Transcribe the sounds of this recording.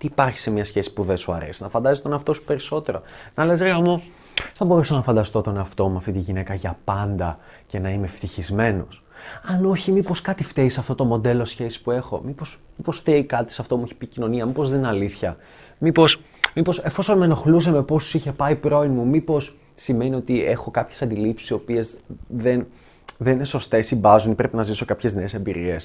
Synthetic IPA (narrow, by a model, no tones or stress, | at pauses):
t̪iːpɐɾçi̥se̞mɲɐsçe̞si̥puðesuɐ̰ɾe̞̰sinɐfɐnd̪ɐzit̪o̞neɐft̪o̞su̥pe̞ɾiso̞t̪e̞ɾo̞̰nɐle̞s̬ɾemo | θɐbo̞ɾusonɐfɐnd̪ɐst̪o̞t̪o̞neɐft̪o̞muɐft̪it̪iʝine̞kɐʝɐpɐnd̪ɐ | ce̞nɐime̞ft̪içizme̞no̞sɐno̞çimipo̞skɐt̪ift̪eisɐft̪o̞t̪o̞mo̞d̪e̞lo̞sçe̞si̥pue̞xo̞̰mipo̞smipo̞sft̪eikɐt̪i̥sɐft̪o̞muiçe̥picino̞niɐmipo̞zðe̞ninɐliθçɐ | mipo̞s | mipo̞se̞fo̞so̞nmeno̞xlus̬ɐmepo̞st̪u̥siçe̞pɐipɾo̞inmumipo̞s | sime̞nio̞t̪ie̞xo̞kɐpçe̥sɐnd̪ilipsi̥sio̞pie̞zðen | ðenineso̞st̪e̞simbɐzunipɾe̞penɐziso̞kɐpçe̞zneːse̞mbiɾie̞s